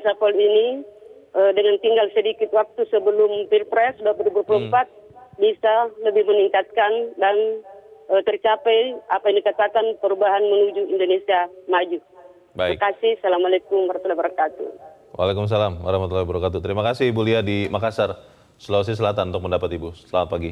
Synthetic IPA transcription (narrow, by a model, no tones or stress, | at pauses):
sapɔlini | ʔədəŋant̪iŋɡalsədikɪt̪̚wak̚t̪usəbəlʊmpilpɾɛsdapəɾubəlpulumpat̪̚bisaləbɪhməniŋkat̪̚kandanət̪ərt͡ʃapɛjapajndikat̪akanpəɾubaɦanmənud͡ʒuindonesiamad͡ʒu | baikkasɪhsalamalekʊmbaɾat̪ulahbəɾakat̪ṵ | wʔa̰lekʊms̬alamwaɾahmat̪ulahbəɾakat̪ut̪əɾimakasɪhbuliadimakasar | səlas̬is̬əlat̪anunt̪ʊk̚məndapat̪ibusəlamat̪̚paɡi